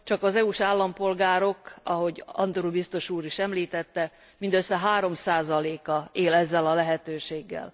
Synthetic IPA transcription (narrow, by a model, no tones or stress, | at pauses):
t͡ʃɒkɒzɛuʃaːlːɒmpo̞lɡaːɾo̞kɒɦo̞ɟɒ̰nd̪oɾubist̪o̞ʃuːɾiʃɛmliːt̪ɛt̪ːɛ | mind̪øsːɛɦaːɾo̞msaːzɒleːkɒeːlɛzːɛlɒlɛɦɛt̪øːʃeːɡːɛ̰l